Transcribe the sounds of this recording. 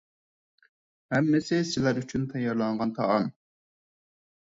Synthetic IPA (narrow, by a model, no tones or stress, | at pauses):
hɛmːɪsɪsɪlæɾyt͡ʃʰynt̪ʰɑjːɑɾlˠɑɴʁɑnt̪ʰɑɑn